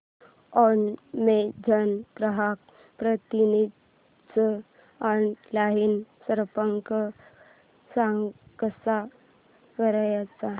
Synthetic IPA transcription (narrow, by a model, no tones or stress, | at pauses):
ɔnmed͡ʑʱənpɾəɦak̚ | pɾət̪inid̪ | t͡sə | ənlaɦinsəɾpəŋkə | sãŋɡkəsa | kəɾajat͡sa